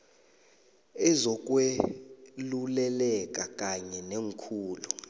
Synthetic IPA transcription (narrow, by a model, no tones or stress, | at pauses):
ɛzɔk̬ʼwe | lulɛlɛkʼakʼaɲɛneŋkʰuːlu